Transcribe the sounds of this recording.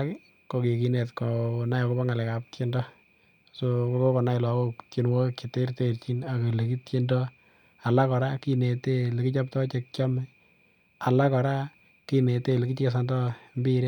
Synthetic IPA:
ki˦ | ko˨ke˨ki˨ne˨tko˨na˦jɔ˨ko˦ba˦ŋa˨lɛ˨ka˨ptje˦ndɔ˦ | soko˦ko˦ko˨na˦ɪ˨lɔ˨ko˦t͡ʃi˦nwo˦ki˨te˦ɾte˦˨ɾt͡ʃi˦na˨ko˨le˨ki˦tt͡ʃe˦ndɔ˦ | a˨la˦kɔ˨ɾa˦ki˦ne˨te˦le˨kɪ˦t͡ʃa˦p̚tɔ˦t͡ʃe˨˦k̚t͡ʃɔ˦mɛ˦ | a˨la˦kɔ˨ɾa˦ | ki˦ne˨te˦le˨ki˦t͡ʃke˦s̬andɔ˦mbi˦ɾe˦

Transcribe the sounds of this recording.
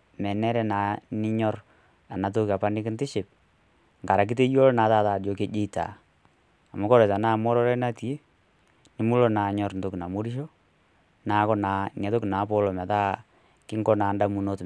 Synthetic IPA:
mɛ˨nɛ˦ɾɛ˦na˨nɪ˦ɲɔ˦r | a˨na˨t̬o˦ka˨pa˦nɪ˦kɪ˦ntɪ˦ʃɪ˨p̚ | ŋɡa˨ɾa˨k̬i˦te˦jo˦lna˨˦ta˦taː˨djo˨ke˨˦d͡ʒe˦˨ta̰˨ | a˨mo˦kɔ˦ɾɛ˨ta˨naː˦˨mɔ˦ɾɔ˦ɾɛ˦na˦ti˨e˦ | nɪ˦mu˦lo˦na˨ɲɔ˨ɾnto˦kna˨mo˦ɾi˦ʃo˦ | na˨˦kɔ˦na˨ŋɛ˨to˦kna˨˦pɔ˦lo˨mɛ˨ta˦ | kɪ˦ŋɡɔ˦naː˨nda˦mu˨no˦t

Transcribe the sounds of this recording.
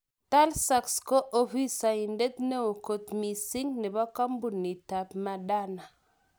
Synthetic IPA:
ta˦lsa˨ksko˦ʔo˦fi˦sa˨i˨nde˦t̪ne˦wo˨ko˦t̪mi˨si˦ŋne˨ba˦ka˦mbu˨nːi˨ta˨pma˨ɗa˦na˨

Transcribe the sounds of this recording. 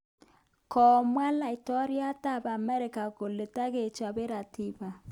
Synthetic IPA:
kɔ˨mwa˦la˨i˨tɔ˦ɾi˦a˦ta˦˨βa˨mɛ˦ɾɪ˨ka˨ko˨le˨ta˦ɣe˨t͡ʃa˨βe˦ɾa˨ti˦βa˨

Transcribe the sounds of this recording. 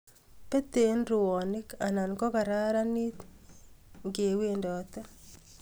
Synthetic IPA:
pe˦t̪e˨nɾʊ˨wɔ˨nɪ˦ka˨na˨nkɔ˦ka˨ɾa˦ɾa˦ni˦t̪ | ŋɡe˨we˦ndɔ˨t̪ɛ˦

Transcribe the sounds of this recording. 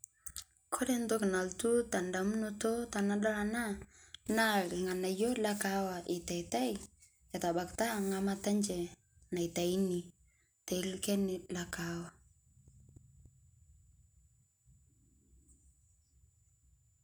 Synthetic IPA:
kʰo˦dɛ˦ndo˦kɪ˨na˨ltu˦ta˨nda˨m˦no˦to˦ta˨na˦ɗɔ˦ɾa˨na˦na˦lɪ˨ŋa˨na˨jo˦la˦ka˦wa˨ʔɪ˨ta˨i˨ta˦j | ja˨ta˨ba˨kta˦ŋa˦ma˦ta˦nd͡ʒɛ˨ | na˨i˨ta˨i˦ni˨ | ta˨ɪ˦lkɛ˦nɪ˨la˨kawa˨

